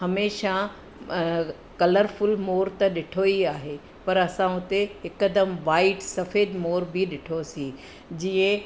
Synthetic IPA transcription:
ɦɐmeːʃa | kɐləɾfʊlmoːɾt̪ɐɗɪʈʰoiaːɦe | pɐɾɐsãʊt̪eɦɪkəd̪əmʋaːɪʈsɐfeːd̪moːɾbʱiɗɪʈʰosĩ | d͡ʑiːə̃

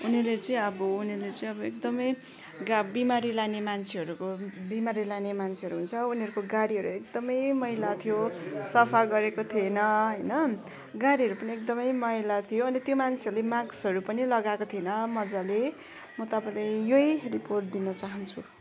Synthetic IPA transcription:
unilet͡sʌĩʌbʌunilet͡sʌĩʌbʌekd̪ʌmʌj | ɡabimaɾilanemant͡sʰeɦʌɾukobimaɾilanemant͡sʰeɦʌɾuɦunt͡sʰʌuniɦʌɾukoɡaɾiɦʌɾṵek̚d̪ʌmʌjmʌjlat̪ʰijosʌpʰaɡʌɾekot̪ʰienʌɦʌjnʌ | ɡaɾiɦʌɾupʌniek̚d̪ʌmʌjmʌjlat̪ʰijoʌnit̪jomant͡sʰeʌɾulemãɡsɦʌɾupʌnilʌɡakot̪ʰienʌmʌd͡zale | mʌt̪ʌpãlajjojriporʈ̚d̪inʌt͡saɦʌnt͡sʰu

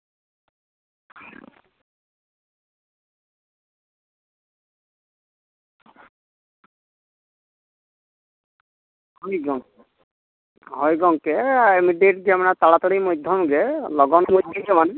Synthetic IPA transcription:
hɔjɡɔŋkɛ | ɦɔjɡɔŋkɛimiɖeʈ̚ɡɛmanat̪alat̪ɔɽijmɔjd̪ʱːɔmɡɛlɔɡɔnmɔjd̪ʱiɡɛman

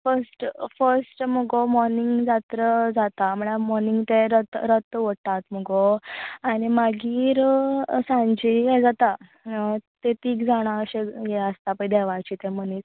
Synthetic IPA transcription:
fəɾsʈfəɾsʈməɡomɔɾniŋɡd͡zat̪ɾəd͡zat̪am̤əɳ̃amɔɾniŋɡt̪eɾət̪ɾət̪ʋəʈ̪at̪m̤əɡoañimaɡiːɾsãɲd͡ʑiɦɛd͡zat̪a | t̪et̪iːkd͡zaɽ̃aəɕejeəst̪apəid̪ɛʋajt͡ɕit̪ẽm̤əniːt

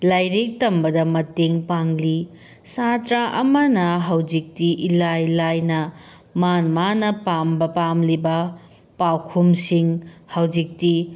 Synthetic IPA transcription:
lajɾik̚tɐmbɐdɐmɐteŋpaŋli | satɾaʔɐmɐnɐɦɐwd͡ʒik̚tiʔilajlajnɐ | manmanɐpambɐpamlibɐ | pawkʰumsiŋhɐwd͡ʒik̚ti

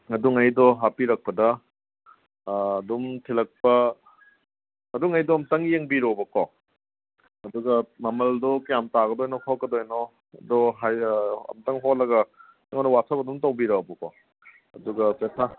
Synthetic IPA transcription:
ɐduŋɐjdɔɦapiɾɐk̚pɐdɐ | dumtʰilɐk̚pɐ | duŋɐjdɔɐmtɐŋjeŋbiɾobɐkɔ | ɐduɡɐmɐmɐldɔkjamtaɡɐdɔjnɔkʰɔkɡɐdojnɔ | ɐdɔɦajɐ̰mtɐŋɦotlɐɡɐ | ŋɔnɐwasʰɐpɐdumtɐwbiɾobɐkɔ | ɐ̰duɡɐsɐsʰa

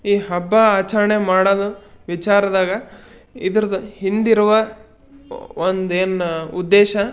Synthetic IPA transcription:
iːɦɐbːɐaːt͡ʃɐɾɐɳemaːɽɐd̪uʋit͡ʃaːɾɐd̪aːɡɐ | id̪ɐɾɐd̪uhind̪iɾuʋɐ | ond̪eːnud̪ːeːʃɐ

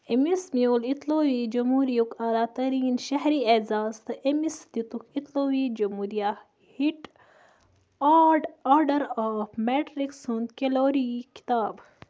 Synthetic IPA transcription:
emismijoːlit̪loːʋiːd͡ʒɐmɦuːɾijukaːlaːt̪ɐɾiːnʃɐɦɾiɐzaːzt̪ɨʔemisd̪it̪ukʰit̪loːwiːd͡ʒɐmuːɾijaː | hiʈ | aːɾɖaːɾɖɐɾaːfmeʈɾiksund̪keloːɾiki̥t̪aːb

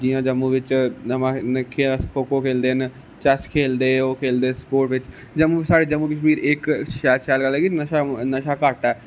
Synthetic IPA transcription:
d͡ʒiːãːd͡ʒəmːuːʋɪt͡ʃəmãːnəkʰefʰoːkoːkʰeːld̪eːn | t͡ʃəskʰeːld̪eːoːkʰeːld̪eːspoːʈʋɪt͡ʃ | d͡ʒəmːuːʋɪt͡ʃsaːɽeːd͡ʒəmːuːkəʃmiːɾɪkɛːlʃɛːlɡəlɛːɡinəʃanəʃaːkaʈɛː

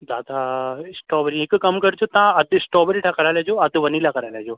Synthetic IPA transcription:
d̪aːd̪aɪsʈɔːbɾĩɦɪkkɐmkɐɾɪd͡ʑot̪ɐãɐd̪ʱɪsʈɔːbɾĩʈʰakɐɾaːlad͡ʑoːɐd̪ʱʋɐnilakɐɾaːlaɦd͡ʑoː

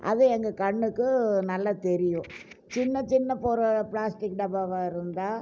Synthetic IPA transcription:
ʔɐ̰ðɯɛŋɡɐkɐɳːɯkːɯnɐlːɐt̪ɛɾɪjʊ̃ | t͡ʃɪnːɐt͡ʃɪnːɐpoːɾɐplaːsʈɪkːɖɐbaːʋaːɪɾɯnd̪aː

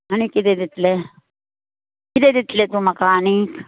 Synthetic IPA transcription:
ɐñikid̪ed̪it̪le | kɪd̪ed̪it̪let̪umɐkaːnik

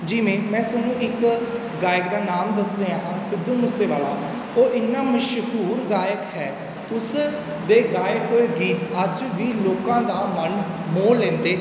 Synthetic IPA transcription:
d͡ʒiːmẽːmɛ̃ːsənũːʔɪk | ɡaːjəkd̪aːnaːmd̪əsɾeːãːɦãːsɪd̪ːũːmʊseːʋaːlaː | oːʔɪnːaːməʃhuːɾɡaːjəkɦɛː | ʊs | d̪eːɡaːeɦoːeːɡiːt̪əd͡ʒʋiːloːkãːd̪aːmənmoːlːɛ̃ːnd̪eː

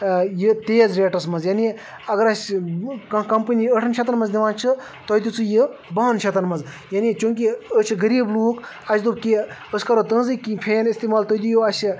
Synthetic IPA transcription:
jɨt̪eːzɾeːʈɐsmɐzjaːni | ɐɡɐɾɐsʲkkɐmpənʲiəʈʰɐnʃʰet̪ɐnmɐnzd̪ʲiʋãːnt͡ʃʰɨ | t̪oːd̪ʲut͡sɨjɨbaːnt͡ʃʰet̪ɐnmɐz | jaːnit͡ʃũːŋk̬iət͡ʃʰɨɡɐɾiːbluːk | ɐt͡ʃʰd̪ub̚kiəsʲkɐɾot̪ɐ̃ːnzɨkĩpʰeːnist̪iːmaːlt̪od̪ujoɐsi

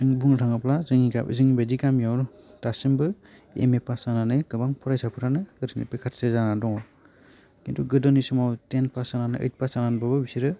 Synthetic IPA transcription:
ɯŋbuŋɾʰaŋaplazɯŋikapḭzɯŋbedikamjawɾtasimbɯ | ḛmepasananɯɡɯbaŋpʰɔɾajsapʰɯɾanɯɯɾʰɯnḭpekʰatsezanadɔŋɔ | kintʰuɡɯdɔnisumawtenpasananɯʔɯ̰jt̚pasananbabɯbisiɾɯ

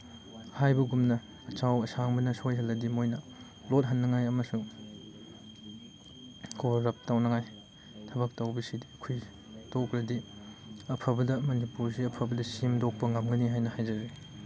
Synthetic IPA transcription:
hajbɐɡumnɐː | t͡ʃʰawɐsaŋbɐnɐsojɦɐlːɐdimojnɐ | lot̚ɦɐnːɐŋajɐmɐsuŋ | kʰoɾɐp̚tawnɐŋaj | tʰɐbɐk̚tawbisidikʰuj | tokɾɐdi | ɐpʰɐbɐdɐmɐnipuɾsiɐpʰɐbɐdɐsimdok̚pɐŋɐmɡɐniɦajnɐhajzɐzi

